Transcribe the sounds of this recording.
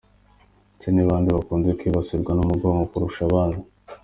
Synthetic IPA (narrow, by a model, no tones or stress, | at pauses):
ceniβaːndiβakuːnzekiːβasiɾɡwanumuɡoːŋɡokuɾuʃaβaːnhu